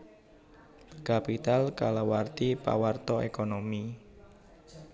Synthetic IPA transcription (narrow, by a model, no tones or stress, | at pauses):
kapit̪alkalawart̪ipa̰wart̪ɔekonomi